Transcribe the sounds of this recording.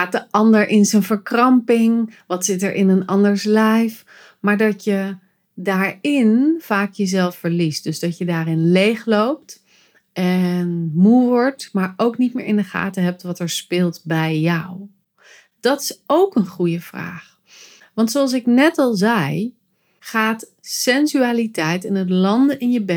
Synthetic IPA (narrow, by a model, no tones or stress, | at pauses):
χaːt̚dəʔɑndəɹʔɪnzənvəɹkrɑmpɪŋʋɑtsɪtɛɹʔɪnənɑndəɹslɛjf | maːɹdɑtjə | daːɹɪnfaːkjəzɛlˠfːəɹlist̚d̥ɵzdɑtjədaːɾɪnlejχlowp̚t | ʔɛnmuʋɔɹtmaːɹowknit̚mɪ̰ːɹɪndəχa̰ːtəɦɛp̚tʋɑtɛɹspɪːlˠtbɛjːʌw | d̥ɑtɪ̥sowkənχujəv̥ra̰ːχ | ʋɑntsoɑlˠs̬ɪknɛtɑlˠzɛj | χaːt | sɛnzyaːlitɛjtɪnətlɑndəʔɪnjəbɛ